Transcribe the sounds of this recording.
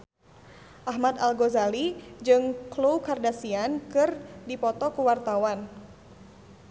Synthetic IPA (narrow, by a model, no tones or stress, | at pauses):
ʔaɦmat̪alɡɔzalid͡ʒɨŋklowkardasiankɨrdipɔt̪ɔkuwart̪awan